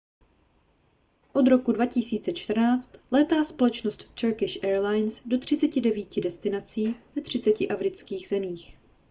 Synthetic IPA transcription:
ʔo̞d̪ɾo̞kudvacɪsiːt͡sɛt͡ʃt̪r̩naːt͡st̪lɛːt̪aːspo̞lɛt͡ʃnost̪t͡ʃɛɾkɪʃʔɛːɾlajnsdo̞t̪r̝̥ɪt͡sɛcɪdɛviːcɪdɛst̪ɪnat͡siːvɛt̪r̝̥ɪt͡sɛcɪʔafɾɪt͡skiːɣzɛmiːx

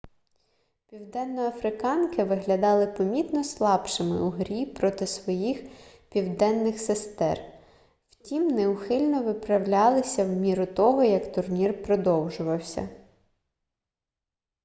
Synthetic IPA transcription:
pʲiwd̪ɛnːɔɐfɾɪkɑnkɪʋɪɦlʲɐd̪ɑlˠɪpɔmʲit̪nɔslˠɑpʃɪmɪ̰uɦɾʲipɾɔt̪ɪsʋɔjix | pʲiwd̪ɛnːɪxsest̪ɛ̰r | wtʲimneuxɪlʲnɔʋɪpɾɐwlʲɑlˠɪsʲɐwmʲiɾʊt̪ɔɦɔjɐkt̪ʊrnʲirpɾɔd̪ɔwʒʊʋɐwsʲɐ̰

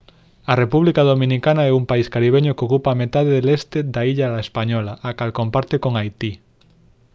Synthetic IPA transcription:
arepuβ̞likað̞omĩnikanaɛumpaiskaɾiβ̞eɲokeokupamet̪aðeðelest̪ed̪aiʎalaespaɲolaʔakalkompaɾt̪ekoŋajt̪i

